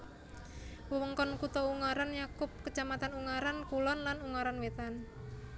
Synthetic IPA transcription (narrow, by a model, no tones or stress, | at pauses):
wəwəŋkɔnkut̪ɔuŋaɾanjakʊp̚kət͡ʃamat̪anuŋaɾankulɔnlanuŋaɾanwet̪an